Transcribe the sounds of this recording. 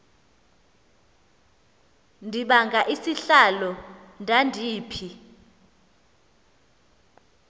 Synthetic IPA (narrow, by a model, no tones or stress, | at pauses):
ndʱiɓaŋɡʱaʔisiɬalɔndʱandʱiːpʰi